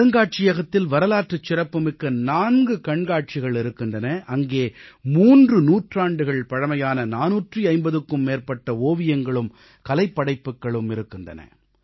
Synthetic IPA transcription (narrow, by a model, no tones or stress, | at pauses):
ɐŋɡaːʈ̚t͡ʃɪjɐɣɐt̪ːɪlʋɐɾɐlaːʈrɯt͡ʃːɪrɐpːɯmɪkːɐnaːnɡɯkɐɳɡaːʈ̚t͡ʃɪɣɐɭɪɾɯkːɪndrɐnɐʔɐŋɡeːmuːndrɯnuːʈraːɳɖɯɣɐɭpɐɻɐmɐjaːnɐnaːnuːʈriɐɪmbɐðɯkːɯmːeːrpɐʈːɐoːʋɪjɐŋɡɐɭɯm | kɐlɐɪpːɐɽɐɪpːɯkːɐɭɯmɪɾɯkːɪndrɐ̰nɐ̰